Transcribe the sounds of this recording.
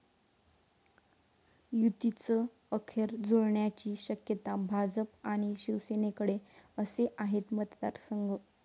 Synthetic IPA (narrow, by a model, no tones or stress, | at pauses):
jut̪it͡səː | kʰjəɾd͡zoɭɳjat͡ɕiːɕəkjət̪abʱad͡zəpaɽ̃iɕiʋsenekəɽeəseʔaɦet̪mət̪d̪a̰ɾsəŋɡʱə